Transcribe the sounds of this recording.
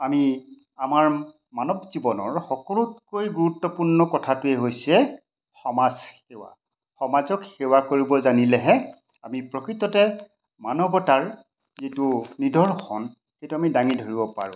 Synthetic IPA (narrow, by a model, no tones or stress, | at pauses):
ami | amaɹ | manɔbzibɔnɔɹxɔkɔlut̚kojɡuɹutːɔpuɹnɔkɔtʰatʊɛɦojsɛ | xɔmazxewa̰ | xɔmazɔkxewakoɹibɔzanilɛɦɛ | amipɹɔkɹitɔtɛ | manɔbɔtaɹ | zitunidʱɔɹxʰɔn | xejtuamidaŋidʱoɹibɔpa̰ɹʊ̰̃